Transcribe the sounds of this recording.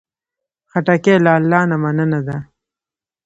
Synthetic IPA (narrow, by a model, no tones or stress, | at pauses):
xaʈakelaːlːɑːnamanənad̪a